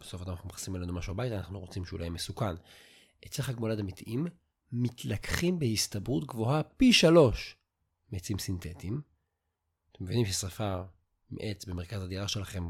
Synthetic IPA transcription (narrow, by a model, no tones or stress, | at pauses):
be̥so̞fadamanaχnumeχḁsimelenumaʃuabajtaːna̰χnuʁo̞t͡simʃeṵlajmesukan | et͡seχaɡmoladamitiʔimː | itʰlakχimbehistabʁutɡvo̞ɦapiʃalo̞ʃ | met͡simsintetim | at̪emːevinimʃesafaʁ | mḛʔet͡sbeme̞ʁ̞kazad̪iʁaʃe̞laχe̞m